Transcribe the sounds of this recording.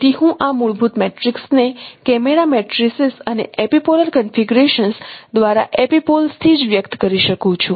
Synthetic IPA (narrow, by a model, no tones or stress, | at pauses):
t̪iɦũʔamuɭbʱut̪mɛʈɾiksnekɛmeɾamɛʈɾisisənḛʔepipoləlkənfiɡuɾeʃənsd̪ʋaɾa̰ʔepipolst̪ʰid͡ʒʋjəkt̪kəɾiʃəkũt͡ʃʰũ